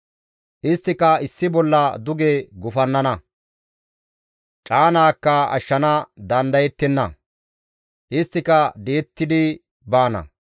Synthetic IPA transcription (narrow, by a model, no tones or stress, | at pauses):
ʔɪst̪ːɪkɐɪsːɪbɔlːɐd̪ʊɡeɡʊfɐnːɐnɐ | t͡ʃʼaːnaːkːɐɐ̰ʃːɐnɐd̪ɐnd̪ɐjɛt̪ːɛnːɐ̰ | ʔɪst̪ːɪkɐd̪eːt̪ːɪd̪ɪ | baːnɐ̰